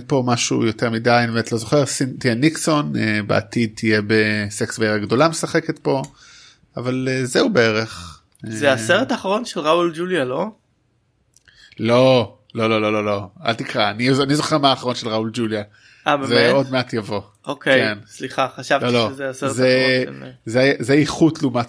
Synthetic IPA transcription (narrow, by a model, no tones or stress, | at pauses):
po̞maʃṵjo̞te̞ʁmidajanibemet̪lo̞zo̞χeʁsintijenikso̞nebea̰tid̪̚t̪ijebeseksveeʁaɡdo̞lamesaχeket̪po̞ | avalezeubeeʁeχ | zeaseʁet̪aːχaʁonʃelʁauld͡ʒuljalo̞ | lo̞ | lo̞lo̞lo̞lo̞lo̞a̰lt̪ikʁaanianizo̞χeʁmaːχaʁo̞nʃelʁauld͡ʒulja | abezeo̞dmeatjavo̞ | okekensliχaχaʃavolo̞zeaseze | zezeiχut̪lumat